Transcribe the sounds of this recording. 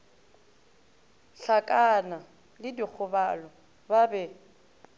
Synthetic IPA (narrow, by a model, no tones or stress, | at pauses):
ɬakʼana | lɪdik͡xʰʊbalɔ | babɛ